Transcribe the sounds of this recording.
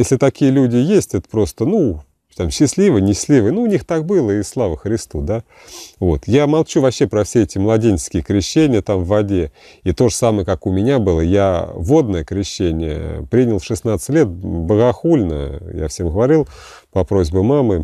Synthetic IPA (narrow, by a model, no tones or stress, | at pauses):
jesʲlʲɪt̪ɐkʲijəlʲudʲɪjesʲtʲɛt̪ə̥pɾo̞st̪ənu | t̪amɕːɪsʲlʲivənʲɪɕɪ̥slʲivəjnuːnʲixt̪ak̚bɨlˠəɪslˠavəxɾʲɪst̪ud̪a | vo̞̰t̪jamɐlˠt͡ɕuvɐpɕːe̞pɾɐfsʲeɛtʲɪmlˠɐdʲenʲskʲɪjəkɾʲɪɕːenʲɪjət̪amvːɐdʲe | it̪o̞ʐəsaməjəkakʊmʲɪnʲabɨlˠəjavo̞d̪nəjəkɾʲɪɕːenʲɪ̰jə̰pɾʲinʲɪlˠʂɨsnat̪sə̥tʲlʲet̪̚bəɣɐxulʲnə̰ja̰fsʲemɡəvɐɾʲilˠ | pɐpɾo̞zʲbʊmamɨ